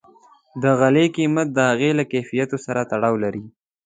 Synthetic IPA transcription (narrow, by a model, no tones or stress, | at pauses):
d̪əɣalekimat̪̚d̪əhaɣelakefijat̪osaɾat̪aɽawlaɾi